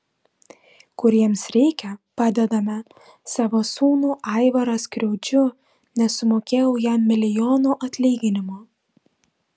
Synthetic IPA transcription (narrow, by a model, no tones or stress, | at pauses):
kʊɾʲiɛmsɾʲɛɪkʲɛpɑːd̪ʲɛd̪ɐmʲɛ | sɑːʋosuːnuːʔɑɪʋɐɾɐskɾʲɛʊd͡ʒʲʊ | nʲɛsʊmoːkʲeːjɛʊjɛmːʲɪlʲɪjoːnuːʔɐt̪ʲlʲiːɡʲɪnʲɪmoː